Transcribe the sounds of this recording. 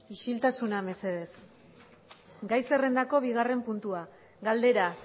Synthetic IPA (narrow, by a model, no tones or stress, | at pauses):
iʃilt̪asuname̞se̞ðe̞f | ɡajse̞re̞nd̪ako̞β̞iɣare̞mpunt̪ua | ɡald̪e̞ɾa